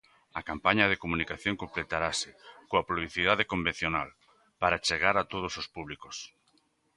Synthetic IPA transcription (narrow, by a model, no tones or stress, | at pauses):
ɐkampaɲɐðekomunikaθjoŋkomplet̪aɾasɪkoɐpɾuβliθiðaðekombẽn̟θjonal | paɾat͡ʃeɣaɾat̪oð̞osospuβ̞likos